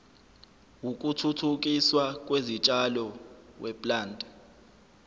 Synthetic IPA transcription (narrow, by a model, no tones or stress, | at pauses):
wuk̬ʼutʰutʰuk̬ʼiswak̬ʼwezit͡ʃʼalɔwʔɛpʼlaːndʱʼɛ